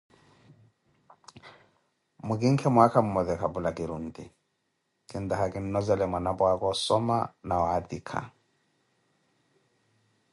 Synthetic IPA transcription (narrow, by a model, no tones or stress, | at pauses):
mʊkɪŋ̩kʰɛmʊakʰamʊmɔðɛkʰabʊlakʼɪɾun̩tɪ | kʼɪn̩d̪ahakʼɪn̩nɔzɛlɛmwanabɔakʼɔsɔma̰naɔad̪ikʰa̰